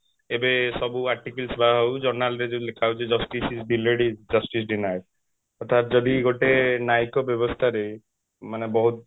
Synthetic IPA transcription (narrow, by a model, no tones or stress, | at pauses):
ebesɔbuaɾʈikilsbaɦɔwd͡ʒɔɾnalɾed͡ʒẽlekʰawd͡ʒed͡ʒɔsʈisisɖileɽid͡ʒɔsʈisɖinajʈ | ɔɾt̪ʰat̪d͡ʒɔd̪iɡoʈenajkɔbjɔbɔst̪ʰaɾej | manebɔɦut̪